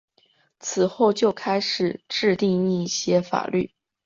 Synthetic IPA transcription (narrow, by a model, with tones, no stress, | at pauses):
t͡sʰɹ̩˨˩xo˥˧ʊt͡ɕjo˥˩ʊkʰa˥ɪʂɻ̩˨˩ʈ͡ʂɻ̩˥˧t̪i˥˧ŋi˥˧˥ɕjɛ˥fa̰˨˩ly˥˩